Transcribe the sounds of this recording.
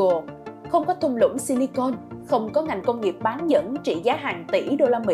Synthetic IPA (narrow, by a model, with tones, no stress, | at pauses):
o˨˩xə˧wŋ͡mkɔ˨˦t̪ʰʊ˧ŋ͡mlʊ̰˧˥ŋ͡msi˧ni˧ko˧nxə˧wŋ͡mkɔ˨˦ŋa˨˩jŋ̟kə˧ŋ͡mŋi˨˩əp̚ɓaː˨˦nzə̰˧˥nt͡ɕḭ˧˨zaː˨˦ɦaː˨˩ŋt̪ḭ˧˩ɗo˧laː˧mḭ˧